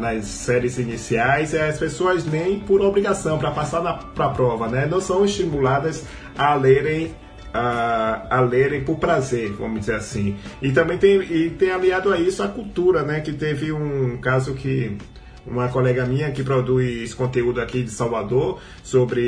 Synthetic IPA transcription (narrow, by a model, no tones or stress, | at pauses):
nɐsːɛɾɪzinisiajziɐspesoɐznẽj̃poɾobɾiɡasɐ̃w̃pɾɐpasaɾnɐpɾɐpɾɔvɐnɛnɐ̃w̃sɐ̃w̃ist͡ʃ̪imulad̪ɐs | aleɾẽj̃ | aː | leɾẽj̃pʊɾpɾazeɾvɐ̰̃mʊd͡ʒizeɾasĩɪt̪ɐ̃mbẽj̃t̪ẽj̃ɪt̪ẽj̃aliad̪ʊaisʊakuwt̪uɾɐnɛkɪt̪evɪũkazʊkɪ | ũmɐkolɛɡɐmĩɲɐkɪpɾod̪ujskõnt̪eud̪ʊakid͡ʒ̪ɪsawvad̪oɾ | sobɾɪ